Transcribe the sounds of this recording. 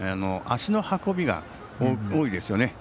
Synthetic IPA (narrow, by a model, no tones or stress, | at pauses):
anoʔaɕino̞hako̞bʲiɡa̰ | oːid̪e̞sɨjo̞ne̞